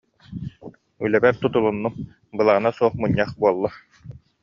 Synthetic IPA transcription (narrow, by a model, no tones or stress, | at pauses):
ylɛbɛɾt̪ut̪ulˠunːum | bɯlˠaʁɯnasuɔχmuɲːaχbuɔlˠːa